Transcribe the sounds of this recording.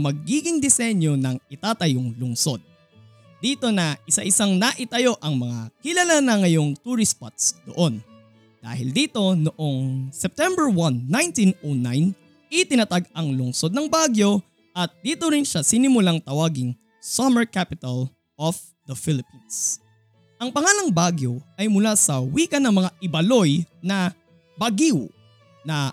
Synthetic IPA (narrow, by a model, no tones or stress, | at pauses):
mɐɡ̚iːɡɪŋd̪ɛsɛɲjo̞nɐŋɪt̪aːt̪ɐjoŋlʊŋso̞d̪̚ | d̪iːt̪o̞nɐʔɪsaʔɪsaŋnɐʔɪt̪ɐjo̞ʔɐŋmɐŋakɪlɐlanɐŋɐjo̞ŋt̪uɾɪspat̪sd̪oʔo̞n | d̪̥a̰ːhɪ̰ld̪iːt̪o̞nʊʔo̞ŋsɛp̚t̪ɛmbɛɹwɐnːajnt̪inʔonajn | ʔɪt̪ɪnɐt̪aɡɐŋlʊŋso̞d̪̚nɐŋbaːɡjo̞ | ʔɐt̪̚d̪iːt̪o̞ɾɪnʃasɪnɪmʊlaŋt̪ɐwaːɡɪŋ | sɐmɛɹkapɪt̪ɐl | ʔof | d̪ɐfɪlɪpins | ʔɐŋpɐŋaːlɐŋbaːɡjo̞ʔɐjmʊlasɐwiːkɐnɐŋmɐŋaʔɪbɐlo̞jnɐ | bɐɡiw | nɐ